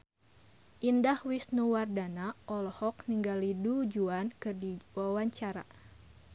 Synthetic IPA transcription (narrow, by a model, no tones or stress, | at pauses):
ʔindahwisnuwardanaʔɔlɔhɔk̚niŋɡalidud͡ʒuankɨrdiwawaɲt͡ʃaɾa̰